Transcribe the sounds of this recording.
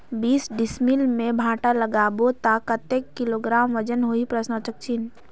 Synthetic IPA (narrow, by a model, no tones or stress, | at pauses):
biːsɖɪsmilmẽbʱãːʈaləɡaːbot̪akət̪eːkːɪloɡɾaːmʋəd͡ʒənɦoipɾəsnət͡ʃək̚t͡ʃin